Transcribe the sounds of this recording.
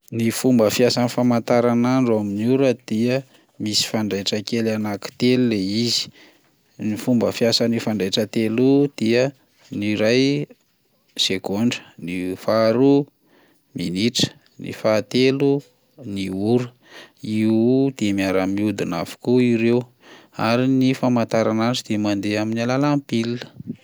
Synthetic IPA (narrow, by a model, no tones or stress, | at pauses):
nifumbəfiasanifamant̪aɾanaɳɖ͡ʐoaminuɾəd̪̥iə | misi̥faɳɖ͡ʐajʈ͡ʂəkelanaki̥t̪elileizi̥ | nifumbəfiasanifaɳɖ͡ʐajʈ͡ʂət̪elud̪̥iə | niɾaj | sekoɳɖ͡ʐə̥nifaɾu | miniʈ͡ʂə̥ | nḭfat̪elu | niuɾə | id̪̥emiaɾamiud̪inafi̥kuiɾew | aɾinifamant̪aɾananʈ͡ʂid̪̥emand̪eaminalalampiliə̥